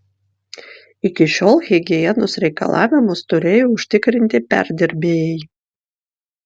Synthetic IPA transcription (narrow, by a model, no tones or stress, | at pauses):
ɪkʲɪʃʲoːlˠɣʲɛɡʲɪjɛnʊsɾʲɛɪkɐ̰lˠɑ̰ːʋʲɪmʊst̪ʊɾʲeːjoːʊʃʲt̪ʲɪkɾʲɪnʲt̪ʲɪpʲæ̰ɾʲd̪ʲɪɾʲbʲeːjɛɪ